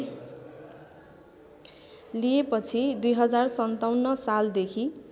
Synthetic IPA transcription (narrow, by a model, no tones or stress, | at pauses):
lijepʌt͡sʰid̪ujɦʌd͡zarsʌnt̪awnːʌsald̪ekʰi